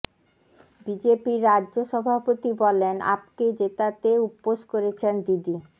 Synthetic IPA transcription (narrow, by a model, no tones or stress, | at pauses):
bid͡ʑepiɾːad͡ʑʑoʃɔbʱapot̪ibɔlena̰pked͡ʑet̪at̪eupːoʃkoɾet͡ɕʰend̪id̪i